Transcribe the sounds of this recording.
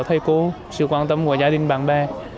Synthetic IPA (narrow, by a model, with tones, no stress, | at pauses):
t̪ʰə˧jko˨˦ | sɨ̰˧˨kwaː˧nt̪ə˧mku˧˩əzaː˧˦ɗï˧˩ŋ̟ɓaː˨˩nɓaː˧